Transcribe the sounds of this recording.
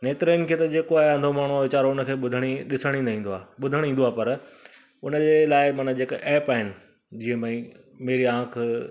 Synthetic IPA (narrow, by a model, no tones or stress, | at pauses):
neːt̪ɾinɪ̆kʰeːt̪ɐd͡ʑeːkoaːɦeɐ̃nd̪ʱomaːɽ̤̃uaʋɪt͡ɕaːɾoʊnə̆kʰeːɓʊd̪ʱəɽ̃iɗɪsəɽ̃ĩːnaĩːnd̪oaːɓʊd̪ʱəɽ̃ĩːn̆d̪oaːɦpɐɾ | ʊnə̆d͡ʑelaːɪmɐːnəd͡ʑeːkʔɛːpaːɦɪnɪ̆ | d͡ʑĩːə̃mãĩ | meːɾiãːkʰ